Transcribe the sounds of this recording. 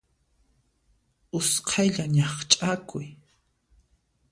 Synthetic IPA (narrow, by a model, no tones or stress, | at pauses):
ʊsqʰajʎaɲɑχt͡ʃʼakʊj